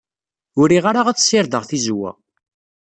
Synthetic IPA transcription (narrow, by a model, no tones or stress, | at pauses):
ʊɾiʁaɾaʁæt͡sːsɪɾðəʁθizwæ̰